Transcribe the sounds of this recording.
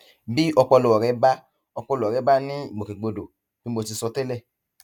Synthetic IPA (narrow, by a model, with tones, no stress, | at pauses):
bi˦ɔ˧k͡pɔ˧lu˨ɔ˨ɾɛ˨˦ba˦ | ɔ˧k͡pɔ˧lo˨ɔ˨ɾɛ˨˦ba˦nĩ˦i˨mõ˨kẽ˨ɡ͡bo˨˧do˨ | b̥i˦mo˧ti˧sɔ˧te˦lɛ˦˨